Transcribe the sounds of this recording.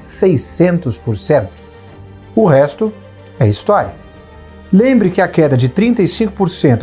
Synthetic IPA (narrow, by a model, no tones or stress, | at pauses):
sejsẽnt̪ʊspʊɾsẽnt̪ʊ̥ | ʊɦɛst̪ʊ | ɛɐist̪ɔɾjɐ | lẽmbɾɪkɪɐkɛd̪ɐd͡ʒɪt̪ɾĩnt̪ɐisĩkʊpoɾsẽnt̪